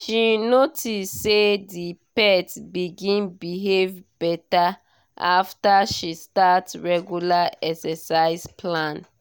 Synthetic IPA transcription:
ʃinotʰissːedipɛtbiɡĩnbiɦevbɛta | a̰ftaʃistatɹɛɡjulaɛksasaɪzplãn

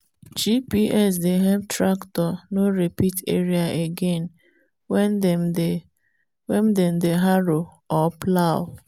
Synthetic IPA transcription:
d͡ʒipiʔɛs̬deɦɛbtɾaktɔnoɾepitʰḛɾiaʔeɡen | wɛm̩dem̩deɦaɾo | ɔplawʊ

